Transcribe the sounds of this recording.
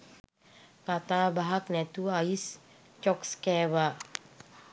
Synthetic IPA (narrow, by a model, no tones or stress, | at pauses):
kat̪abaɦak̚nɛt̪uais | t͡ʃɔkskɛwa